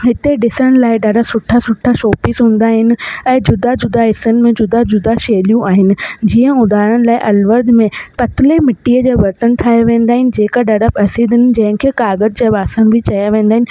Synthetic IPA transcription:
ɦɪt̪eɖɪsəɽ̃̆laːɪɖaɖasʊʈʰasʊʈʰːaʃoːpɪsɦũːn̆d̪aːɦɪnɪ̆ɛ̃ːd͡ʑʊd̪ad͡ʑʊd̪aɦɪsənɪ̆mẽd͡ʑʊd̪ad͡ʑʊd̪aʃeːlijũʔaːɦɪnɪ̆d͡ʑiːə̃ʊd̪ʱaːɾəɽ̃̆laːɪʔɐlʋəɾd̪ʱmẽpɐt̪ɪlemɪʈiəd͡ʑaːʋɐɾt̪ənʈʰaːjaʋẽːnd̪aːɦɪnɪ̆d͡ʑeːkaɖaɖabɐsid̪ɪnɪ̆d͡ʑɐ̃ɦɪ̃kʰeːkaːɡəd͡ʑd͡ʑaːbaːsəñbʱɪt͡ɕɐjaʋẽːn̆d̪aːɦɪnɪ̆

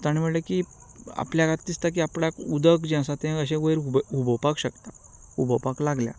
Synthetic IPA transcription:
t̪aɳ̃iməɽleki | a̰pljakat̪d̪ist̪ak̬iapɽakud̪əkd͡ʑãsat̪ẽəɕ̬ẽɡəjɾububəpakɕəkt̪a | ubəpaklaɡlja̰

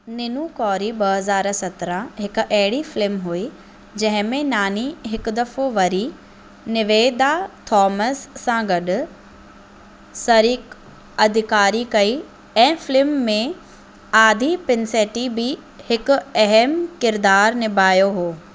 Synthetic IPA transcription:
nɪnukɔːɾibɐɦɐzaːɾsɐt̪ɾə̃ɦɪkʊʔɐɦɪɽifɪlɪmɦui | d͡ʑɐ̃ɦɪ̃mẽnaːniɦɪkʊd̪ɐfoʋɐɾi | nɪʋeːd̪at̪ʰɔːməsːãɡɐɗʊ̆ | sɐɾik | ɐd̪ʱɪkaːɾikɐi | ɛ̃ːfɪlɪmːẽ | aːd̪ʱipɪnseːʈibɪhɪkʊ̆ɐɦɛmkɪɾd̪aːɾnɪbʱaːjoɦoː

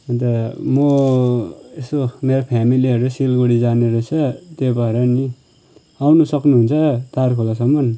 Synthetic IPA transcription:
ʌnt̪ʌmʌ | esomeɾapʰjamiliɦʌɾuesilɡoɽid͡zaneɾʌt͡sʰʌt̪jebʌeɾʌni | awnusʌknuɦunt͡sʰʌt̪arkʰolasʌmːʌn

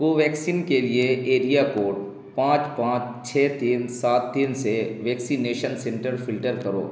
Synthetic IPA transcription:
ɡoʋɛːksiːnkelieeːɾijakoːɖ | pãːt͡ʃpãːt͡ʃ | t͡ʃʰɛːt̪iːnsaːt̪ːiːnseʋɛːksineːʃənsɛ̃ɳʈəɾfɪlʈəɾkɐɾo̰ː

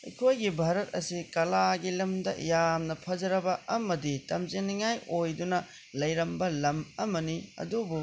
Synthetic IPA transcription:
ekʰojɡibʱaɾɐt̚ɐ̰sikɐlaɡilɐmdɐ̰jamnɐpʰɐd͡ʒɐɾɐbɐɐmɐditɐmziniŋajojdunɐ | lɐjɾɐmbɐlɐmɐmɐniɐ̰dubu

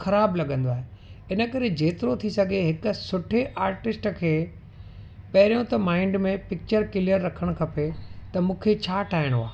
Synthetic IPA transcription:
xɐɾaːblɐɠə̃nd̪oaːɦe | ɪnə̆kɐɾed͡ʑeːt̪ɪɾot̪ʰisɐɡʱeɦɪkʊ̆sʊʈʰeʔaːɾʈɪsʈkʰeː | pɐɦɪɾijõt̪ɐmãːɪ̃ɳɖmẽpɪk̚t͡ɕəɾkɪlijəɾːɐkʰəɽ̃ʊkʰɐpet̪ɐmũːkʰet͡ɕʰaːʈʰaːɦɪɽ̃ɦua̰ː

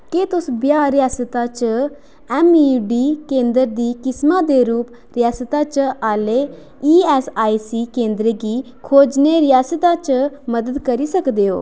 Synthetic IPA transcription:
ket̪ʊsbjaːɾɪjaːsət̪aːt͡ʃə | ɛːmiːɖiːkẽːnd̪əɾd̪iːkɪsmãːd̪eːɾuːp | ɾɪjaːsət̪aːt͡ʃaːleː | iːɛːsaːisiːkẽːnd̪ɾeɡiː | kʰoːd͡ʒneːɾɪjaːsət̪aːt͡ʃəməd̪əd̪kəɾiːsəkd̪eːo̰ː

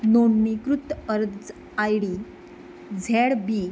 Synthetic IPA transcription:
noɳːikɾut̪ːəɾd̪d͡z | ajɽi | d͡zʱeɽbi

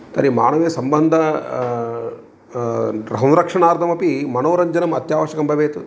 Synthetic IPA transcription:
t̪ɐɾima̰ːɳɐʋeːsɐmbɐnd̪ʱɐ | ɾɐɦɐnɾɐkʂɐɳaːɾt̪ʰɐmɐpimɐnoːɾɐɲd͡ʒɐnɐmɐt̪jaːʋɐʃɐkɐmbʱɐʋeːt̪u

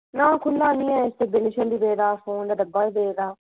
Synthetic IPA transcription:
nãːkʰʊlːaːnĩːɛst̪ebɪnɪʃənd̪ibeːd̪aːfõːnd̪ad̪ɐbːaːiːbeːd̪aː

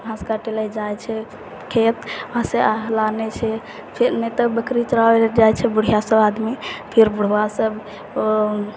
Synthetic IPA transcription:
bʱãskaʈelajd͡ʒajt͡ʃʰɛ | kʰet̪ãsealanet͡ʃʰɛ | pʰeɾnet̪əbəkɾit͡ʃəɾaed͡ʒajt͡ʃʰɛbuɽ̤ijasəbad̪mipʰeɾbuɽ̤wasəb

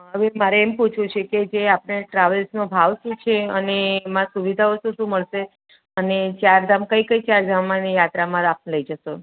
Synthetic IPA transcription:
ɦəʋemaɾeːmput͡ʃʰũt͡ʃʰeked͡ʒeapɳ̃eʈɾaʋəlsnobʱaʋʃũt͡ʃʰeənemãsuʋid̪ʱaosũʃũməɭʃe | ənet͡ʃjaɾd̪ʱamkəikəit͡ʃaɾd̪ʱamːãnijat̪ɾamãɾapnləid͡ʒəʃo

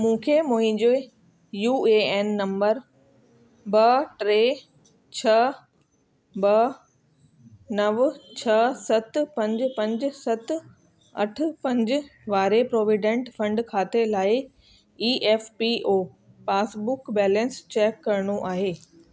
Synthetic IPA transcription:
mũːkʰemũːɦɪ̃d͡ʑe | juːeeːnːɐ̃mbəɾ | bɐʈɾeː | t͡ɕʰɐ | bɐ | nɐʋt͡ɕʰɐsɐt̪pɐ̃ɲd͡ʑpɐ̃ɲd͡ʑ̆sɐt̪ | ɐ̰ʈʰʊ̆pɐ̃ɲd͡ʑʊ̆ʋaːɾepɾoːʋɪɖẽɳʈfɐ̃ɳɖkʰaːt̪elaːɪ | iːʔɛːfpiʔoː | paːsbʊkbɛːlə̃nst͡ɕɛːkːɐɾɽ̃uʔaːɦeː

